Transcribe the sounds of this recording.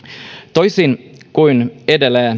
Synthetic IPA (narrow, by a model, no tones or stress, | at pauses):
t̪ojsinkuinedelæː